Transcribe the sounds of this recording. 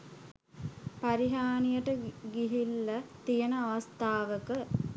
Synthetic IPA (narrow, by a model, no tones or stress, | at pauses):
pɐɾiɦaːnijəʈəɡiɦilːɐt̪ijənəaʋɐst̪aːʋəkə